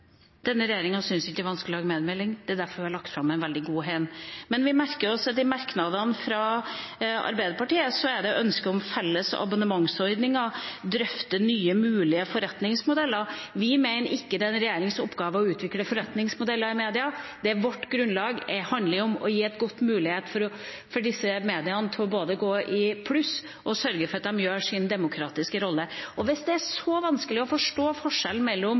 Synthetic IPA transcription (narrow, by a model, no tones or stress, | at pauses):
d̪̥ɛnːəɾɛjeːɾɪŋɑsʏnsɪkːəʋɑnskəlɪlɑːɡəmeːd̪mɛlɪŋd̪̥ɛæd̪æɾfɔɾʋɪhɑɾlɑk̚t̪fɾɑmːæɪnʋɛld̪ɪɡuːɦɛɪnmɛnʋɪmæɾkəɾɔsɑt̪ɪmɑɾknɑd̪ɑnfɾɑ | ɑ̰ɾbæɪd̪əɾpɑʈiːəsɔæɖɛʔœnskəɔmfɛlːəsɔ̰ɑ̰bɑnəmɑŋsɔʏd̪nɪŋɑd̪ɾœft̪ənyːəmʉːlɪəfɔɾɛt̪nɪŋsmʊd̪ɛlːəɾʋɪmeɪnəɾɪkːəd̪ɛɛnɾɛjeːɾɪŋsʊ̰pːɡɑːʋəɔʉːt̪ʰʋɪkːləfɔɾɛt̪nɪŋsmʊd̪ɛlːəɾɪmeːd̪ɪɑd̪̥ɛæʋɔʈːɡɾʉnlɑːɡɛhɑnd̪lɪɔmɔ̰jiːɛt̪ɡʊt̪ːmʉːlɪheːt̪fɔɾɔ | fɔɖɪsːəmeːd̪ɪɑnət̪ʰɔboːd̪əɡoːʔɪpʰlʉs | ɔsœɾɡəfɔɾɑt̪̚d̪ɑmjøːʂɪnəd̪ɛmʊkʰɾɑːt̪ɪskəɾɔlːəɔʋɪsd̪ɛæʂɔʋɑnskəlɪɔfɔʂʈoːfɔʂɛln̩mɛlːɔm